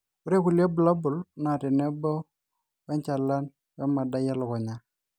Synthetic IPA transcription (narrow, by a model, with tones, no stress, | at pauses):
ʊ˦ɾe˦ku˨lja˦bla˦bʊ˨lna˨tɛ˨nɛ˦bɔ˦ | wɛ˦ɲt͡ʃa˨la˦n | wɛ˦ma˨da˦ja˦lɔ˨kɔ˨ɲa˦